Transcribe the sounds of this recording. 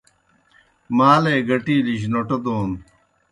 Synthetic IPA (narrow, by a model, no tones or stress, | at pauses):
maːleːɡɐʈiːliɕ̬noʈɐt̪oːn